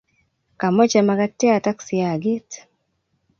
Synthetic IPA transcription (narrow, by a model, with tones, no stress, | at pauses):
ka˨mɔ˦t͡ʃa˨ma˦ɡa˦tːɛ˦a˨ta˦ksɪ˨a˨ɡi˦t